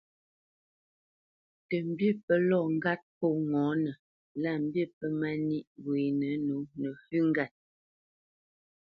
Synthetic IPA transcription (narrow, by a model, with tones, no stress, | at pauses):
tə˨m̩˨bji˦˨pə˦lɔ˦˨ŋ̩˦ɡa˦t̚pɔ˦˨ŋɔ˨˦nə˨ | la˦˨m̩˦bje˦˨pə˦ma˦ni˦ʔwwe˨nə˨˦no˨˦nə˨fʉ˦ŋ˦ɡa˦˨t̚